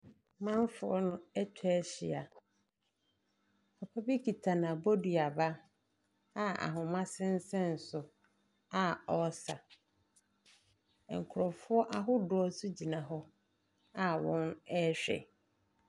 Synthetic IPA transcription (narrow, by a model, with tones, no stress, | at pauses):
mã˦m˦fʊ˨ɔ˦nʊ̃˦ɛ˦tʰɛ˦ɕɪ˨a˨ | a˨pʰa˦bi˦kʰi˨tʰa˨nã˨bɔ˦di˨a˨ba˦ | a˦a̰˨ɦʊ̃˨mã˦sɪ̃˦n˦sɛ̃˦n̩˨sʊ˨ | a˨ɔ˦sa˨ | ŋ̩˨kʰʊ˨ɾɔ˨fʊ˦ɔ˦ʔa˦ɦʊ˦dʊ˨ɔ˦sʊ˦d͡ʑi˨nã˨ɦɔ˦ | a˦wɔ̃˦nɛ˦ɕᶣɛ̰˨